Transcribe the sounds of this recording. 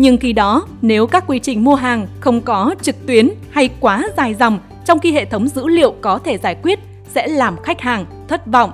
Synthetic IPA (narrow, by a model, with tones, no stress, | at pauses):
ɲɨ˧ŋxi˧ɗɔ˨˦ne˨˦wkaː˦˥kːwi˧t͡ɕï˨˩ŋ̟mu˧əɦaː˨˩ŋxə˧wŋ͡mkɔ˨˦t͡ɕɨ˨˩k̚t̪wi˨˦ənha˧jkwaː˨˦zaː˨˩jza˨˩wŋ͡m | t͡ɕɔ˧wŋ͡mxi˧ɦḛ˧˨t̪ʰə˨˦wŋ͡mzɨ̰˧˥lḭ˧˨əwkɔ˨˦t̪ʰe˧˩zaː˧˩jkwi˦˥ət̚ | sɛ̰˧˥laː˨˩mxa˦˥jk̟̚haː˨˩ŋ | t̪ʰə˦˥t̚vɔ̰˧˨wŋ͡mʔ